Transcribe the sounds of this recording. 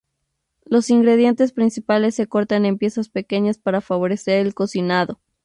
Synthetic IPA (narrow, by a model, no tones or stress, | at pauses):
lo̞siŋɡɾe̞ðje̞nt̪e̞spɾinsipale̞sːe̞ko̞ɾt̪ane̞mpje̞saspe̞ke̞ɲaspaɾafaβo̞ɾe̞se̞ɾe̞lko̞sinaðo̞